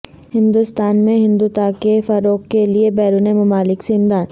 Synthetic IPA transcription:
hɪ̃nd̪ust̪aːnmẽɦɪ̃nd̪ut̪akefɐɾoːkkeliebɛːɾuːnemɐmaːlɪkseɪmd̪aːd̪

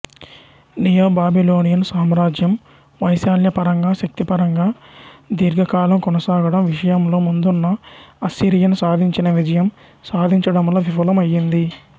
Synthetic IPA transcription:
nijoːbaːbilo̞ːnijɐnsaːmɾaːd͡ʒjɐm | ʋɐjsaːljɐpɐɾɐŋɡaːʃɐk̚t̪ipɐɾɐŋɡaːd̪iɾɡɐkaːlɐmkɔnɐsaːɡɐɽɐmʋiʂɐjɐmlo̞ːmund̪unːɐɐsiːɾijɐnsaːd̪ʱiɲt͡ʃinɐʋid͡ʒɐjɐm | saːd̪ʱiɲt͡ʃɐɽɐmloːʋipɐlɐmɐjind̪i

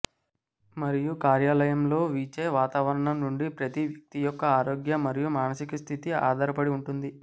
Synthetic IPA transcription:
mɐɾijukaːɾjaːlɐjɐmlo̞ːʋiːt͡ʃeːʋaːt̪aːʋɐɾɐɳɐmnuɳɖipɾɐt̪iʋjɐk̚t̪ijɔkːɐaːɾo̞ːɡjɐmɐɾijumaːnɐsikust̪ʰit̪ia̰ːd̪ɐɾɐpɐɽiuɳʈund̪i

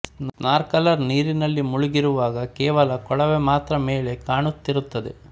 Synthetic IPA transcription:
naːɾkɐlɐɾniːɾinɐlːimuɭuɡiɾuʋaːɡɐkɛːʋɐlɐkɔɭɐʋemaːt̪ɾɐmeːɭe̞kaːɳut̪ːiɾut̪ːɐd̪e̞̰

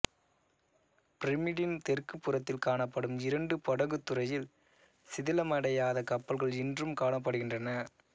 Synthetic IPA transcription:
pɪɾɪmɪɽɪnt̪ɛrkɯpːɯrɐt̪ːɪlkaːɳɐpːɐɽɯmɪɾɐɳɖɯpɔɽɐɣɯt̪ːɯrɐjɪl | sɪðɪlɐmɐɽɐjaːðɐkɐpːɐlɣɐɭɛndrɯmkaːɳɐp̬ːɐɽɯɣɪndrɐnɐ

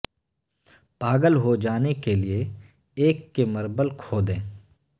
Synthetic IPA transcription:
paːɡəlɦod͡ʒaːnekelie | eːkːeməɾbəlkʰoːd̪ẽː

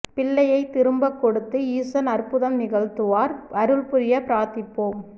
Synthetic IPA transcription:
pɪɭːɐjɐɪt̪ːɪɾɯmbɐkːɔɽɯt̪ːɯiːsɐnɐrpʊðɐmnɪɣɐɭt̪ɯʋaːɾɐɾɯɭpʊɾɪjɐpɪɾaːt̪ɪpːoːm

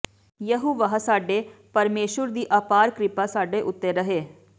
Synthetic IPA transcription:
jəɦuʋəɦsaːɖeːpəɾmeːʃəɾd̪iːʔaːpaːɾkɾɪpaːsaːɖeːʔʊt̪ːeːɾəɦeː

